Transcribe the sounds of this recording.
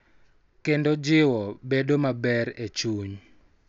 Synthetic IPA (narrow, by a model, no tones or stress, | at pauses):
kendod͡ʒɪwɔbedomabɛɾet͡ʃuɲ